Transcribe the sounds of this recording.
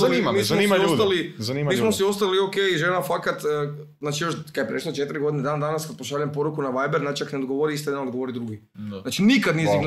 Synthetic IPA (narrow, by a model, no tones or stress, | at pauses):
animamiːsmnimoost̪alizaniːmmiːsmosiost̪aliokeiʒenafakat̪ː | znaːt͡ʃijoʃkad̪jepɾeʃlˠot͡ʃe̞t̪iɾiɡod̪ined̪aːnad̪anaskad̪̚poʃaʎampoɾukunaʋajbeɾnat͡ʃiakneod̪ɡoʋoɾiist̪oed̪anod̪ɡoʋoɾid̪ɾuɡi | naːt͡ʃinikad̪nijezimn